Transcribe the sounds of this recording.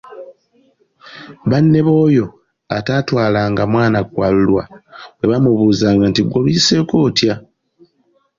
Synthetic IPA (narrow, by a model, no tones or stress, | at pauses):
βanːe̞βo̞ːjo̞ | ataːtwaːlaːŋɡamwaːnakwaːlulwawe̞βamuβuːzaːŋɡantiɡolise̞koːtja